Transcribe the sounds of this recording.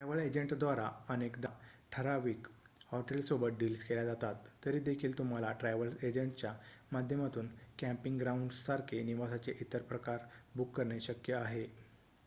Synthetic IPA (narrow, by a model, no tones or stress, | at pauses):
ʈɾaʋəled͡ʑəɳʈd̪ʋaɾaənekd̪aʈʰəɾaʋiːk | hɔʈelsobət̪̚ɖiːlskeljad͡zat̪at̪ːəɾiːd̪ekʰiːlt̪um̤alaʈɾaʋəled͡ʑəɳʈt͡ɕjamad̪ʱjəmat̪uːnkæ̃mpiŋɡɡɾauɳɖsaɾkʰeniʋasat͡seʔit̪əɾpɾəkaɾbukːəɾɳeɕəkjəaɦe